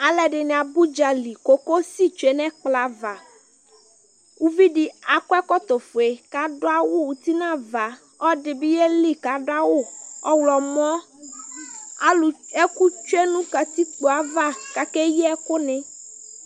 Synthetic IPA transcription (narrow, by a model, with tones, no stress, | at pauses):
a˨lɛ˨ɖɪ˨nɛ̃˨a˨bu˦d͡ʒa˨li˨ko˦ko˦si˦˨t͡ʃe˨˦nɛ̃˦k͡pla˨˦va˨ | wu˦vi˦ɖi˨a˨kɔ˦ɛ˦kɔ˦t̪o˨fo˨e˨ka˨˦ɖo˦a˦wo˦wu˨t̪i˦nã˦˨va˨ | ɔ˦ɖɪ˨bi˦je˦li˦ka˨˦ɖʊ˦a˦wo˦˨ɔ˦wlɔ˨m˦ɔ̃˦ | a˦lu˨e˦ku˦t͡ʃu˦e˦nũ˦ka˨t̪i˦k͡po˨a˨va˦ka˨ke˦je˦ɛ˦ko˦nẽ˨